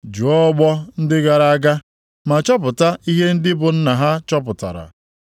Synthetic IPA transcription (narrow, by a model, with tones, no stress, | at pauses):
d͡ʒu˨ɔ˦ɡ͡bɔ˦n̩˦dɪ˦ɡa˨ɾa˨a˦ɡa˦ | ma˨t͡ʃɔ˦pʊ˨ta˦i˦ɦe˦n̩˦dɪ˦bʊ˨n̩˦na˨ɦa˦t͡ʃɔ˦p̬ʊ˨ta̰˨ɾa̰˨